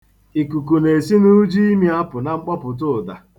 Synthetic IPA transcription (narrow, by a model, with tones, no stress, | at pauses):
i˨ku˨ku˨ne˨si˦nu˦d͡ʒi˦i˦mi˦a˦pʊ˨na˦ŋ͡m̩˦k͡pɔ˦pʊ˨t̬ʊ˦˨da˨